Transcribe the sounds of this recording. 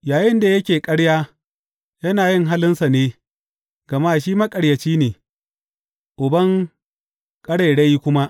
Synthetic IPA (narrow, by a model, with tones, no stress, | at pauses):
jaː˨jɪ˦nda˨jɐ˦kʲeː˨kʼɐ˦ɽjaː˦ | jɐ˦naː˨jɪ˦˨ŋɦa˦lɪ˦nsa˨neː˦ | ɡɐ˨maː˦ʃiː˦mɐ˦kʼɐ˨ɽjɐ˨t͡ʃiː˦neː˨ | ʔʊ˨bɐ˦ŋ | kʼɐ˦ɽɐ˨ɽɐ˦ji˦kʷʊ˦ma˦